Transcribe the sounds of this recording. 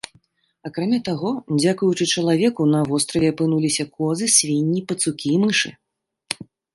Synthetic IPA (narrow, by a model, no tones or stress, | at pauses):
akɾamʲat̪aɣɔd͡zʲakujut͡ʂɨt͡ʂɐlˠavʲɛkunɐvɔst̪ɾɐvʲɛapɨnulʲisʲɐkʰɔzɨsʲvʲinʲːipɐt̪sukʲiːmɨʂɨ